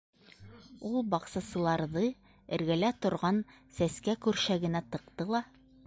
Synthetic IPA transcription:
ulˠbɑqsɑsɤ̆lˠɑɾðɤ | ɘ̆ɾɡælæt̪ŏɾʁɑnsæskækʉɾʃæɡɘ̆næt̪ɤ̆qt̪ɤlˠɑ

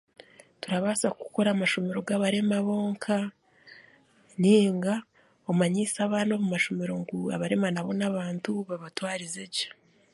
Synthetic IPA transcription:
tuɾaβaːsakuko̞ɾamaʃo̞me̞ɾo̞ɡaβaɾe̞maβo̞ːŋkʰa | neːŋɡa | omaɲisaβanoβumaʃo̞meɾo̞ŋɡua̰βaɾe̞manaβo̞naβaːntuβaβatwaːɾizeɟe̥

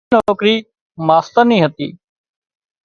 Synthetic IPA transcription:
nɔːkɾiː | maːst̪ənĩːɦət̪ḭː

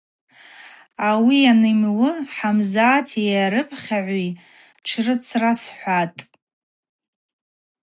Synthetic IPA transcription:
awianɨmwɨħamzaːtʰijaɾɨpʰʼχʲaʕʷi | ʈ͡ʂʰrɨt͡sʰrasħʷatʼ

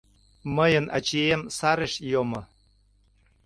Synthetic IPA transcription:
məjənʔɑ̰t͡ɕiemsɑɾeʃjomŏ

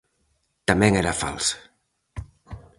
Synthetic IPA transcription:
t̪ameŋeɾafa̰lˠs

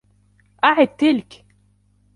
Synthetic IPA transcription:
ʔaʕɪd̪̚t̪ɪlk

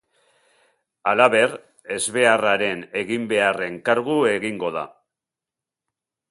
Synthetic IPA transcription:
alaβe̞ɾ | e̞zβe̞araɾe̞ne̞ɣimbe̞are̞ŋkaɾɣue̞ɣiŋɡo̞ða̰

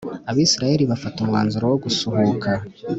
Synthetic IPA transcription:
aβiːsiɾaje̞ɾiβafatumŋaːnzuɾowoɡusuɦukʰa

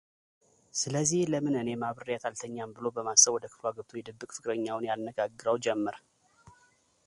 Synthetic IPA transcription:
sɨləzːihləmɨnɨne̞maβɨɾrijat̪ʰalt̪ʰəɲːambɨlo̞bəmasəβwɔd̪əkʰɨ̥flwaɡɨβt̪ʰojɛd̪ɨbːɨkʼfɨkʼɾəɲːawʊnjalnəɡaɡːɨɾəwd͡ʒɛmːəɾ

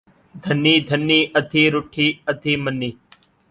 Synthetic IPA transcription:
d̪ʱənːiːd̪ʱənːiːʔəd̪ʱiːɾʊʈʰiːəd̪ʱiːmənːiː

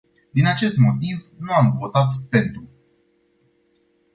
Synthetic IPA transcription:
d̪inat͡ʃe̞st̪mo̞t̪ivnuamvo̞t̪at̪pe̞nt̪ɾu

